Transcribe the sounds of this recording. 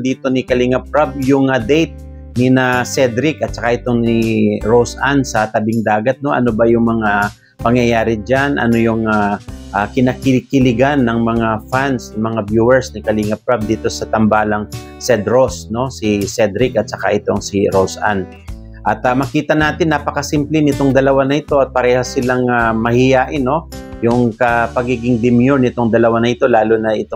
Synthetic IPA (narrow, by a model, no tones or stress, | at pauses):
d̪iːt̪o̞nɪkɐliŋɐp̚ɾab̚jʊŋɐd̪ɛjt̪̚ | nɪnasɛd̪ɾɪkɐt̪̚sɐkaʔɪt̪o̞nɪɹosansɐt̪ɐbɪŋd̪aːɡɐt̪̚no̞ʔɐ̰nobɐjʊŋmɐŋa | pɐŋjɐjaːɾɪd͡ʒanʔɐ̰no̞jʊŋaʔakɪnɐkɪkɪlɪɡanːɐŋmɐŋafansɐmɐŋabjuːwɛɹsnɪkɐliŋɐpɹab̚d̪iːt̪o̞sɐt̪ɐmbaːlɐŋ | sɛd̪ɾo̞sno̞sɪsɛd̪ɾɪkɐt̪̚sɐka̰ʔɪt̪o̞ŋsiɾosʔa̰n | ʔɐt̪amɐkiːt̪ɐnaːt̪ɪnːapɐkɐsɪmplɪnɪt̪o̞ŋd̪ɐlɐwanɐɪt̪o̞ʔɐt̪̚pɐɾɛːhosɪlaŋamɐhɪjaːʔɪnːo̞jʊŋkɐpɐɡiːɡɪŋd̪ɪmjuɹnɪt̪o̞ŋd̪ɐlɐwanɐʔɪt̪o̞laːlonɐʔɪt̪o